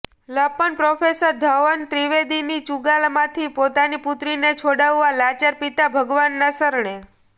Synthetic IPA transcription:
ləpənpɾofʰesəɾd̪ʱəʋənt̪ɾiʋed̪init͡ʃuɡalmãt̪ʰipot̪aniput̪ɾinet͡ʃʰoɽaʋːalat͡ʃəɾpit̪abʱəɡʋanːasəɾɳe

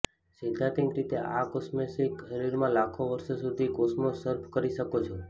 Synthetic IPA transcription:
sid̪ʱat̪ĩŋkɾit̪eʔakosmesikʃəɾiɾmãlakʰoʋəɾsosud̪ʱikosmosəɾpʰkəɾiʃəkot͡ʃʰo

